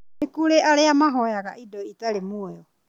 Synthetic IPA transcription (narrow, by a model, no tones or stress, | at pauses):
nekuɾeʔaɾeamaɦɔjaɣa̰ʔidɔitalemueɔ